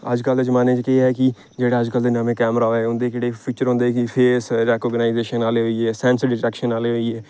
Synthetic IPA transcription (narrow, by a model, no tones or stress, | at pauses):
ə̰d͡ʒkəld̪ezəmaːneːt͡ʃkɪeɦɛːkɪ | d͡ʒeːɽaːəd͡ʒkəld̪eːnəmẽːkɛːmɾaːɛːʊ̃nd̪eːkeːɽeːpʰiːt͡ʃəɾɦʊ̃nd̪eːkɪpʰeːsɾɛːkɔːɡənaːɪzeːʃənaːleːɦoiɛːsɛ̃ːnsəɾɖɪʈɛːkʃənaːleːɦoːiɛː